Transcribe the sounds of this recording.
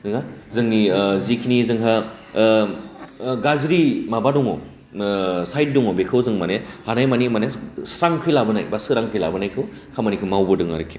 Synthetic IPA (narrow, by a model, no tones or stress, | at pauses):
dɯŋazɯŋnizikʰinizɯŋɦa | ɡazɾimabadɔŋɔ | sajt̚dɔŋɔbekʰɯwzɯŋmanehanajmanimanesɾaŋkʰilabɯnajbasɯɾaŋpʰila̰bɯnajkʰɯw | kʰamanikʰɯmawbɯdɯŋa̰ɾɯkʰi